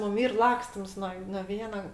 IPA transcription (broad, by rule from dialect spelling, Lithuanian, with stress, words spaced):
ˈmʊm ˈiːr ˈlˠɑːksʲtʲɪms nuɔ noː ˈʋʲiɛnɐ